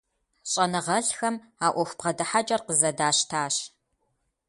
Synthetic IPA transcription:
ɕʼɐnɨʁɐɬxɐm | aːʔʷɔxʷpqɐdɨħat͡ʃʼɐrqəzɐdaːɕtʰaːɕ

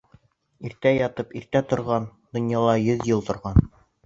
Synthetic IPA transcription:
iɾt̪æjɑt̪ɤpiɾt̪æt̪ŏɾʁɑnd̪̥ŏnjɑlˠɑjɵðjɤlˠt̪ŏɾʁɑn

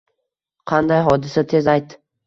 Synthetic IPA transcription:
qʰɑnd̪ajɦɒd̪ɪsat̪ʰe̞zajt̪ː

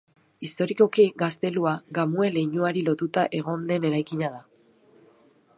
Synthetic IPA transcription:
ist̪o̞ɾiko̞kiɡast̪e̞luaɡamue̞le̞jɲuaɾilo̞t̪ut̪aʔe̞ɣ̞o̞nd̪e̞ne̞ɾajkiɲað̞a

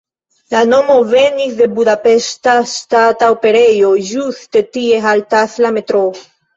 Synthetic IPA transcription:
lano̞mo̞venisd̪e̞budapestast̪ataope̞ɾejoʒust̪e̞t̪ie̞ɦalt̪aslame̞t̪ɾo

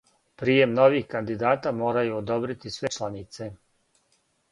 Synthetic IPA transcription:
pɾije̞mno̞ʋixkand̪id̪aːt̪amo̞ːɾajuod̪o̞bɾit̪isʋe̞t͡ʃlˠanit̪se̞

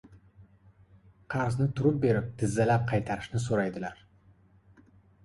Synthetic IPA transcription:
qʰɑɾznɪt̪ʰʊɾɪp̚be̞ɾɪp̚d̪̥ɪzːalap̚qʰɑjt̪ʰaɾɪʃnɪs̬oɾajd̪ɪlaɾ

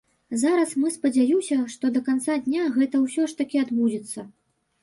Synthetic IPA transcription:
zaɾɐsmɨspɐd͡zʲajusʲɐʂt̪ɔd̪ɐkant̪sad̪ʲnʲaɣɛt̪ɐwsʲɔʂt̪akʲiad̪bud͡zʲɛt̪sːɐ

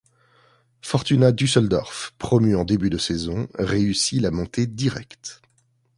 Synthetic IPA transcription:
fɔʁt̪ynad̪ysɔld̪ɔ̰ʁfpχɔmyɑ̃d̪ebyd̪əsɛzɔ̃ʁeysilamɔ̃t̪ed̪iʁɛ̰kt̪

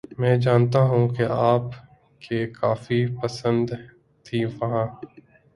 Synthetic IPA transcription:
mɛ̃ːd͡ʒaːnt̪̬aɦũːkeaːp | kekaːfipəsə̃nd̪ | t̪ʰiːʋɐɦãː

